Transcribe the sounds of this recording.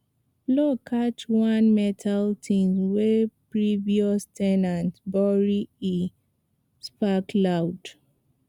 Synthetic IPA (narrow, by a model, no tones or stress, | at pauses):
blɔkʰat͡ʃwãnmɛtʰaltʰĩnswepɹiviɔstʰɛnãntbɔɹii | spakʰlawd̥